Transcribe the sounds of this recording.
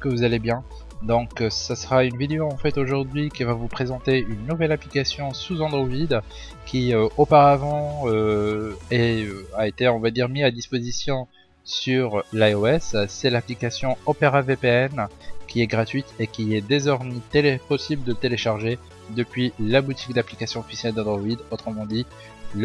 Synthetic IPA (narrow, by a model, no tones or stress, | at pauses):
kəvuzalebjɛ̃ | d̪ɔ̃ksasəʁaynvid̪eoɑ̃fɛt̪oʒuʁd̪ɥikʲivavupχezɑ̃t̪eynːuvɛlaplikasjɔ̃suzɑ̃d̪ʁoid̪ | kʲiøopaʁavɑ̃ø | ɛøaet̪eɔ̃vad̪iʁmiad̪ispozisjɔ̃ | syʁlaoɛssɛlaplikasjɔ̃ɔpeʁavepeɛnkʲʰiɛɡʁat̪ɥit̪ekʲiɛd̪ezɔʁmet̪elepɔsibləd̪ət̪eleʃaʁʒe | d̪əpɥilabut̪ik̚d̪aplikasjɔ̃ɔfisjɛld̪ɑ̃d̪ʁoid̪ot̪χəmɑ̃d̪i | l